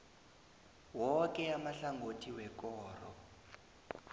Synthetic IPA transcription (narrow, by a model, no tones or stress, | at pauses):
wɔkɛamaɬaŋɡotʰiwɛkɔːrɔ